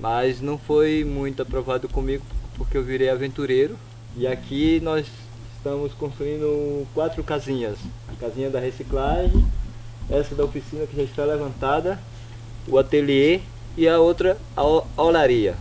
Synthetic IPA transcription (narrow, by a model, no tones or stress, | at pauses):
mʔaznɐ̃w̃fojmũj̃t̪ʊapɾovad̪ʊkõmiɡʊpoɾkeewviɾejavẽnt̪uɾejɾʊ | iakʰinɔz | ɪst̪ɐ̃mʊskõst̪ɾuĩnd̪ʊkwat̪ɾʊkazĩɲɐs | ɐkazĩɲɐd̪ɐhesiklaʒẽj̃ | ɛsɐd̪ɐofisĩnɐkɪʒaist̪alevɐ̃nt̪ad̪ɐ | uat̪elie | ɪɐowt̪ɾɐ | olaɾiɐ